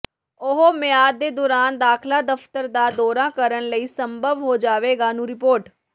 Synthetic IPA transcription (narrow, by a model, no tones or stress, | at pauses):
ʊɦomɪjaːd̪̚ːeːd̪ɔːɾaːnd̪aːkʰlaːd̪əpʰt̪əɾd̪aːd̪ɔːɾãːkəɾənləiːsəmbʱəʋɦoːd͡ʒaːʋeːɡaːnũːɾɪpoːɾʈ